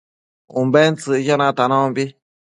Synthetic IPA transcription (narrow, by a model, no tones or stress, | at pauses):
ũmbent͡sɨjanãt̪anãbi